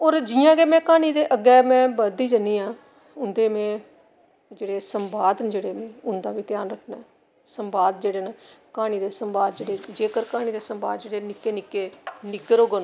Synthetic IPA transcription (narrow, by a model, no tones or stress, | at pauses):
oːɾd͡ʒɪjãːɡeːmɛ̃ːkaːɽ̃iːd̪eːʔəɡɛːmɛ̃ːbəd̪iːd͡ʒəniːãː | ʊnd̪eːmɛ̃ː | d͡ʒeːɽeːsəmbaːd̪nd͡ʒeːɽeːmɛ̃ːʊnd̪aːʋiːt̪ɪjaːnɾəkʰnaː | səmbaːd̪̚d͡ʒeːɽeːneːkaːɽ̃iːd̪eːsəmbaːd̪d͡ʒeːɽeːd͡ʒeːkəɾkaːɽ̃iːd̪eːsəmba̰ːd̪̚d͡ʒeːɽeːnɪkːeːnɪkːeːnɪkːəɾoːɡənõː